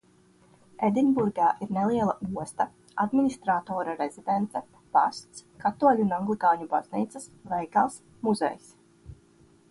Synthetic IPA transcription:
ed̪inbuɾɡaːʔiɾnelˠiɛlˠaʔuɔst̪a | ad̪minist̪ɾaːt̪ɔːɾaɾez̥id̪ent̪sɛ | pa̰st̪skat̪uɔlʲunaŋɡlˠikaːɲuba̰z̥niːt̪sɨsvɛjkaːs | muzḛjs

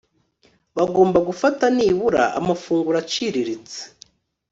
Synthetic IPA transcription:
βaɡo̞ːmbaɡufataniβuɾa̰ʔa̰mafuːŋɡuɾat͡ʃiɾiɾit͡se̥

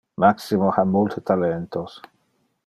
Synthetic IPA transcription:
maksimohamult̪ʰet̪alent̪os

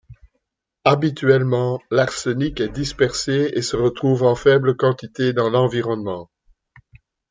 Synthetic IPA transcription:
abit̪ɥɛlmɑ̃laʁsənikɛd̪ispɛʁseesəʁət̪χuːvɑ̃fɛbləkɑ̃t̪it̪ed̪ɑ̃lɑ̃viʁɔnmɑ̃

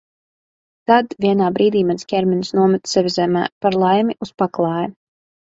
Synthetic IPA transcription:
t̪ad̪vʲiɛnaːbɾiːd̪iːmanskʲɛɾminsnuɔmɛt̪sɛvʲizæmæ̰ːpaɾlˠajmiʔuspaklˠɑːjɛ

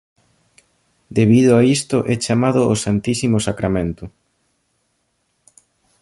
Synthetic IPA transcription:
d̪eβiðʊaist̪ʊʔɛt͡ʃamaðʊʔosant̪isimʊsakɾamẽnt̪ʊ

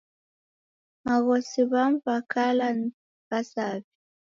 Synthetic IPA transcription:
maɣɔsiβamvakʰalan | basavi

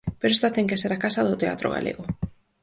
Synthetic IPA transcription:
peɾoest̪at̪ɛŋkeseɾakasaðʊt̪ea̰t̪ɾo̰ɣa̰lʔḛɣʊ

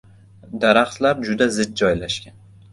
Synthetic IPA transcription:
d̪aɾaχt̪laɾd͡ʒʊd̪azɪd̪̚d͡ʒɒjlaʃkʲan

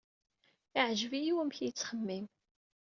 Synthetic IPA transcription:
ɪʕʒvijiwəmçjət͡sːχəmːim

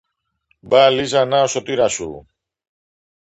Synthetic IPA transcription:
balizɐnaosot̪iɾɐsṵ

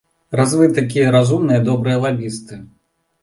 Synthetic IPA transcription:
razvɨt̪ak̬ʲijɐɾazumnɨjɐd̪ɔbɾɨjɐlˠabʲist̪ɨ

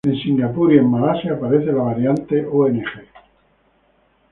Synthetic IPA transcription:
ensiŋɡapuɾiemːalasjaːpaɾeθelaβaɾjant̪eʔoenexe

